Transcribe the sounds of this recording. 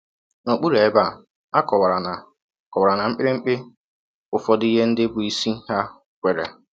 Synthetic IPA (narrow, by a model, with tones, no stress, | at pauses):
no˨k͡pu˦ɾe˨˦ba˦˨ | a˦kɔ˨wa˨ɾa˨na˨ | kwa˨ɾa˨na˨ŋ͡m̩˦k͡pɪ˦ɾɪ˦ŋ͡m̩˦k͡pɪ˦ | ʊ˨fɔ˦di˦ɦe˦n̩˦dɪ˦bʊ˨i˦si˦ha˦ | kʷe˨ɾḛ˨